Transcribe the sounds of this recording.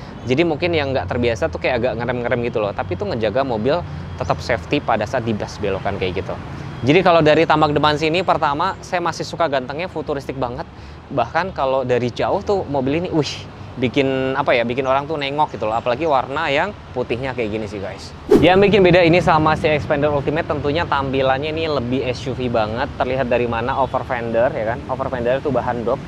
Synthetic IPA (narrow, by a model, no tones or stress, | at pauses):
d͡ʒadimuŋkɪnjaŋːɡaʔt̪ərbiasat̪ukajaaɡaʔŋəɾəmŋəɾɛmɡit̪ulɔht̪apit̪uŋəɲd͡ʒaɡamobɪl | t̪ət̪əp̚sɛft̪ipadasaat̪̚dibasbelokankajaʔɡit̪ṵd͡ʒadikalodaɾit̪ambak̚dəpans̬inipərt̪amasajamasɪhsukaɡant̪əŋɲafut̪uɾɪst̪ɪk̚baŋət̪̚ | bahkankalodaɾid͡ʒaʊht̪umobɪliniʔih | bikɪnapajabikɪnoɾaŋt̪unɛŋɔk̚ɡit̪ulaɦapalaɡiwarnajaŋ | put̪ɪhɲakajaɡinisiɡa̰js | jaŋbik̬ɪnbedainisamasiɛkspɛndəɾult̪imɛt̪ːənt̪uɲat̪ampilanɲainiləbɪhɛst͡ʃufibaŋət̪ːərliɦat̪̚daɾimanaʔofərfɛndərjakanofərfɛndərt̪ubaɦandɔk̚